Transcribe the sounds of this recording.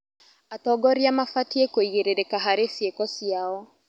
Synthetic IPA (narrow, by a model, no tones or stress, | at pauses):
atɔɡɔɾiamafatiekoiɣeɾeɾekaɦaɾesiekɔsiaɔ